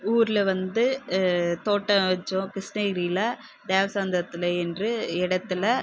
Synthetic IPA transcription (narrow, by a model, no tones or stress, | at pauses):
uːɾɪlɐʋɐnd̪ɯ | t̪oːʈːɐʋɐt͡ʃːʊ̃kɾɪsnɐɪɾiːlɐ | d̪eːʋɐsaːnd̪ɐɾɐt̪ːɪlɐɛndrɯɪɽɐt̪ːɪlɐ